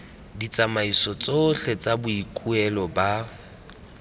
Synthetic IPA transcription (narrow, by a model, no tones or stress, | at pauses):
dit͡sʼamaisɔt͡sʼɔɬɛt͡sʼabʊikʼuɛlɔba